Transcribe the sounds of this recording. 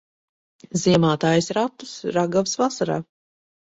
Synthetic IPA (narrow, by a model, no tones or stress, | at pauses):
ziɛmaːt̪aːjsɾat̪ːusɾaɡavsvasaɾa̰ː